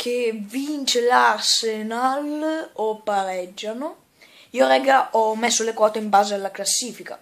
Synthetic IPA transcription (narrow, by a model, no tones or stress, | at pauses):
kʰevint͡ʃelarsenalopːaɾɛd͡ʒːano | iːoɾɛɡaʔɔmːesːolekwɔːt̪eimbaːzealːaklasːiːfika̰